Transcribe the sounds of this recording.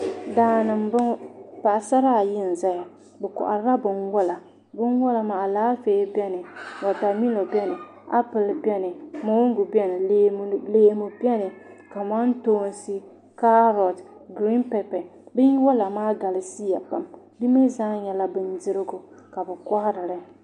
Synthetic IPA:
daː˨nɨ˨mbɨ˦pa˨ʔsa˦ɾa˦˨jɪ˦n̩˨za˦ja˨ | bɛ˨kɔ̰˨ʔa̰˨ɾɨ˦la˦bɨ˨nwɔ˦la˨ | bɨ˦nwʊ˦la˨ma˨laː˦feː˦bɛ˦nɨ˨ma˨ta˨mi˦lo˨bɛ˦nɨ˨ | a̰˦pɨ˨lbɛ˦nɨ˨mo˨wŋ˦ɡu˨bɛ˦nɨ˨e˨˦˨leː˦mʊ˨bʲɛ˦nɨ˨ka˨ma˦n˦toː˦nsi˦ | ka˦ɾɔ˨tɡɾi˦npɛ˨pɛ˨bɨ˦n˦wɔ˦la˨maː˦ɡa˨la˨si˦ja˨pa˨m | bi˦me˦zaː˦ɲɛ˨la˦bɨ˨ndɪ˦ɾɪ˦ɡʊ˨ | ka˨bɛ˨kɔ˦hɪ˦ɾɨ˨ɾɨ˨

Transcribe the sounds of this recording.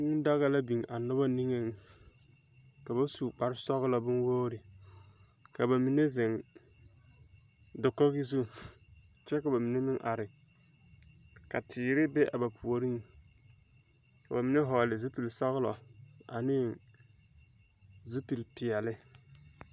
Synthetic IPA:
ŋ˦n˦da˦ɣa˦la˦bi˨ŋʔa˨nʊ˦ba˦ni˦ŋe˦ŋ˨ | ka˨ba˦suː˨k͡pa˨ɾsɔ˦ɣlɔ˨bʊ˦nwoː˦ɾɪ˨ | ka˨ba˨mi˨ne˦zɪ˨ŋ | dʊ˨kːɔ˦ɡɪ˦zu˦ | t͡ʃɛ˦ka˨ba˨mi˨ne˦mɪ˦ŋʔa˨ɾɪ˨ | ka˨tʰɪː˨ɾɪ˦bɛ˦ʔa˨ba˨pʰu˨o˨ɾi˦ŋ | ka˨ba˨mi˨˦ne˦ɦɔː˨lɪ˨zu˦pi˨lsɔ˦ɣlɔ̰˨a̰˨nɪ˦ | zu˦pi˨lpi˨ɛ˨lɪ˦

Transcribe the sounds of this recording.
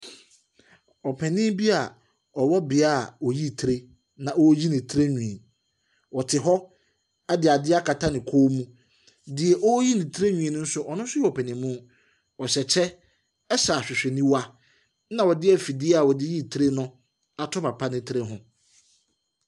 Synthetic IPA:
ɔ˨pʰɛ˨nɪ̃˦bi˦a˨ | ɔ˨wɔ˦bɪ˨a˦˨ɔ˨ji˦˨tʰɾe˦ | nã˨ɔ˦ji˦nɪ̃˨tʰɾe˦ɲᶣũ˨e˨ | wɔ˨tʰɪ˨ɦɔ˦ | a˦dɪ˨a˨dɪ˦a˦kʰa˨tʰa˦nɪ̃˨kʰoː˦mũ˦ | dɪ˨ɛ˨ʔɔ˦ji˦nɪ̃˨tʰɾe˦ɲᶣũ˨ẽ˨nʊ̃˦n̩˦sʊ˦ʔɔ˨nʊ̃˦n˦sʊ˦ɛ˨ɔ˨pʰɛ˨nɪ̃˨˦mʊ̃˦ | ɔ˨ɕɛ˨t͡ɕʰɛ˦ | ɛ˦sa˨ɕᶣɪ˨ɕᶣɪ˨nĩ˦wa˦ | nã˨wɔ˨dɪ˦ɛ˦fi˨dɪ˦ɛ˦a˨wɔ˨dɪ˦ji˦˨tʰɾe˦nʊ̃˦ | a˨tʰɔ˦pa˨pʰa˦nɪ̃˦tʰɾe˦ɦʊ̃˦

